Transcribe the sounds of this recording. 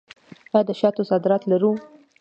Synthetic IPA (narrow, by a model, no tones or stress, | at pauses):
bad̪əʃɑt̪osɑd̪ɪɾɑt̪laɾu